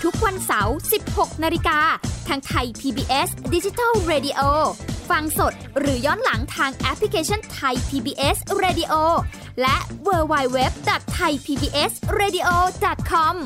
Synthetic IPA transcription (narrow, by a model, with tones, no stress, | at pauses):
t̪ʰu˦˥k̚wa˧nsa˩˦wsi˨˩p̚ho˨˩k̚naː˧li˧kaː˧t̪ʰaː˧ŋt̪ʰa˧jp̪ʰiː˧biː˧ʔe˦˥sdi˦˥t͡ɕi˧t̪a˥˩lɾeː˧di˧ʔoː˧fa˧ŋso˨˩t̪̚ɾɯː˩˦jɔː˥˩nla˩˦ŋt̪ʰaː˧ŋʔɛ˦˥pʰli˧kʰeː˧t͡ɕʰɔ˥˩nt̪ʰa˧jpʰiː˧biː˧ʔe˦˥sɾeː˧di˧ʔoː˧ | lɛ˦˥ʔwɤː˧wa˧jwe˦˥p̚dɔ˨˩t̪ʰːa˧jpʰiː˧biː˧ʔe˦˥sɾeː˧di˧ʔoː˧dɔ˨˩t̪̚kʰɔ˧˥m